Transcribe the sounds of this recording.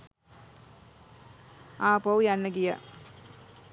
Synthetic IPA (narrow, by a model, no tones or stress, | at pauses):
aːpowujanːəɡija̰